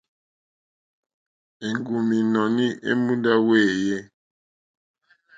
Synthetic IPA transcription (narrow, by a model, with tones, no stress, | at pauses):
e˨ŋɡu˨mi˨nɔ˨ni˦ʔḛ˦mũ˦da˦we˦˨je˦